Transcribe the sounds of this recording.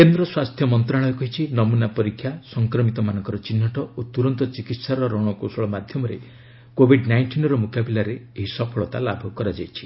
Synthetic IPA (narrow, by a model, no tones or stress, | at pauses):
kend̪ɾɔswast̪ʰjɔmɔnt̪ɾaɭɔjɔkɔɦit͡ʃʰinɔmunapɔɾikʰːjasɔŋkɾɔmit̪ɔmanɔ̃ŋkɔɾɔt͡ʃinːɔʈɔʔot̪uɾɔnt̪ɔt͡ʃikit̪saɾɔɾɔɽ̃ɔkosɔɭɔmad̪ʱjɔmɔɾḛ | kobʱiɖnajɳʈinɔɾɔmukabilaɾeeɦisɔpʰɔɭɔt̪a̰labʱɔkɔɾad͡ʒajt͡ʃʰi̥